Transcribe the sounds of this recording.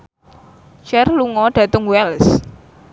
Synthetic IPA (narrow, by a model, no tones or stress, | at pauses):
t͡ʃɛrluŋɔɖ̥ä̤t̪ʊŋwɛls